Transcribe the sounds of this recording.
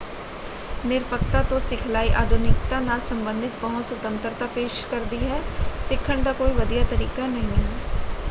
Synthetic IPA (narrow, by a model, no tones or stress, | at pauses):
nɪɾpək̚t̪at̪õsɪkʰlaːiʔaːd̪ʱʊnɪkt̪anaːlsə̃mbə̃nd̪ɪt̪̚pəɦʊt̪sʊt̪ə̃nt̪əɾt̪apeːʃkəɾd̪iɦɛːsɪkʰːəɳd̪aːkoːiʋəd̪ijat̪əɾiːkanəɦĩɦɛː